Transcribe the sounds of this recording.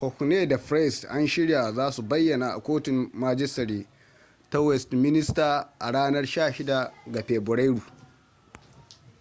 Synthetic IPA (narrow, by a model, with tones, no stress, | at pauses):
hɔ˨kʷu˨neː˦da˨ɸɾɛ˦˨sʔa˦nʃɪ˦ɽja˨zaː˦su˨bɐ˦jːɐ˨naː˨ʔa̰˨kʷoː˦tɪ˨mːaː˦d͡ʒɪ˦sɐ˨ɾiː˦ | tɐ˦wɛ˨stmɪ˦nɪ˦staː˨ʔa˨ɽaː˦nɐ˦rʃaː˦˨ʃɪ˦da˨ɡa˨ɸeː˨bʊ˨ɽa˦ɽuː˨